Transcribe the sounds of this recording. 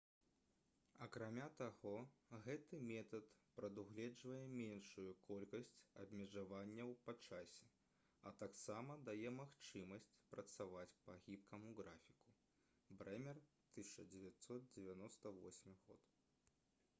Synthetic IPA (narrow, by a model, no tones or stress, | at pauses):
ɐkɾamʲat̪aɣɔɣɛt̪ɨmʲɛt̪ɐt̪pɾɐd̪uɣlʲɛd͡ʐvɐjɛmʲenʂujukʰɔlʲkɐsʲt͡sʲɐbʲmʲɛʐavanʲːɐwpɐt͡ʂasʲɛ | ɐt̪aksamɐd̪ajɛmaxt͡ʂɨmɐsʲt͡sʲpɾɐt̪savat͡sʲpɐɣʲipkʰɐmuɣɾafʲi̥ku̥ | bɾɛmʲɛr | t̪ɨsʲt͡ʂɐd͡zʲɛvʲat̪sɔt̪̚d͡zʲevʲanɔst̪ɐvɔ̰sʲmʲiɣɔ̰t̪